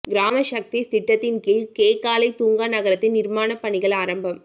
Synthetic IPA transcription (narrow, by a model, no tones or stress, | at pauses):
ɡɪɾaːmɐʃɐk̚t̪isɪʈːɐt̪ːɪnkɪlkeːkaːlɐɪt̪uːŋɡaːnɐɣɐɾɐt̪ːɪnnɪɾmaːnɐpːɐɳɪɣɐɭaːɾɐmbɐm